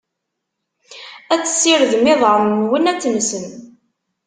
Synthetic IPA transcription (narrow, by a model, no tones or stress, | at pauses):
æt͡sːə̥sːɪɾəðmɪðˤʕəmːwənæt͡sːnsən